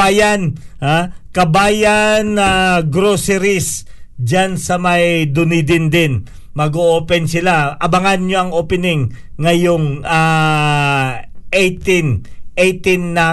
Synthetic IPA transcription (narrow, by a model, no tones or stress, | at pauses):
aːjanhakɐbaːjanɐɡɾosɛɾisd͡ʒansɐmɐjd̪ʊnid̪ɪnd̪ɪn | mɐɡoʔoːpɛnsɪlaʔɐbɐŋanɲoʔɐŋʔoːpɛnɪŋː | ɐjoŋa | ʔejt̪inʔejt̪inːɐ